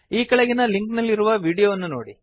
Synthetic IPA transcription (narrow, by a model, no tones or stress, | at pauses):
iːkɐɭɐɡinɐliŋknɐlːiɾuʋɐʋiːɽijoːʋɐnːuno̰ːɽi